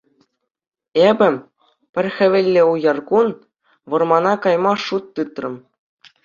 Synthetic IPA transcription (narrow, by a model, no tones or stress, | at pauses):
ebʲɘ̆ | pʲɘ̆rʲxʲɘ̆ʋʲĕlʲːĕujɑrkun | ʋɤ̆rmɑnɑkɑjmɑʂut̪ːɯt̪rɤ̆m